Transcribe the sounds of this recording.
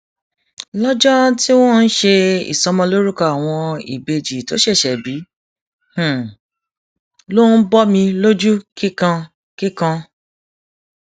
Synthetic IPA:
lɔ˦d͡ʒɔ˦ti˦w̃ɔ̃˦n̩˦ʃe˧ḭ˨sɔ˧mɔ̃˧lo˦ɾu˦ka˦˨a˨w̃ɔ̃˧ḭ˨be˧d͡ʒi˨to˨˦ʃɛ˦˨ʃɛ˨bi˨˦ | h̩˨ | lo˦n̩˦bɔ˦mĩ˧lo˦d͡ʒu˦ki˦kã˧ | ki˦kã˧

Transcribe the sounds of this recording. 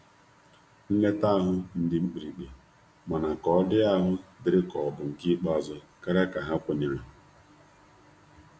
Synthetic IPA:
n̩˦le˦ta˦ɦʊ˦n̩˦dɪ˦ŋ͡m̩˦k͡pi˨ɾi˨k͡pe˨ | mɔ˨na˨kɔ˦ɔ˦dɪ˦a˦ɦʊ˦dɪ˨ɾɪ˦kɔ˨bʊ˨ŋ̩˨ki˦k͡pɔ˦zɔ˦ | ka˦ɾa˦ka˨ɦa˦kʷʊ˦ɲa˨ɦʊ˨

